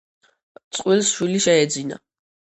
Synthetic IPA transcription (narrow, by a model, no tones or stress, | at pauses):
t̪sʼqʼwilsʃwiliʃɛɛd̪zina̰